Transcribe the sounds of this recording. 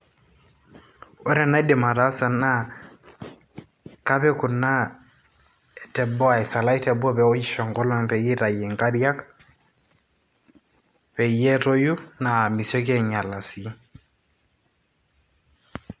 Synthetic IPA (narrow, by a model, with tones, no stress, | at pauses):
ɔ˦ɾɛ˨na˦dɪ˨ma˨ɾa˦sa˨na˦ | ka˦pɛ˦kʊ˨na˦ | e˨tɛ˨bɔ˦a˨i˨sa˨la˦i˦tɛ˨bɔ˦pɛ˨o˦d͡ʒi˦ʃɔ˨ŋɡɔ˦lɔ˦ŋpɛ˨ji˦ɾa˨je˨ŋka˦ɾja˦k | pɛ˨je˦to˦ju˦na˨mi˨sɔ˦k̬e˦ɲa˨la˨si˦